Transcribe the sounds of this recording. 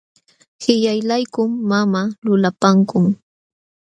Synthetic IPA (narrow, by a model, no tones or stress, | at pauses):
hɪʎajlajkʊmːamalʊlapaŋkʊŋ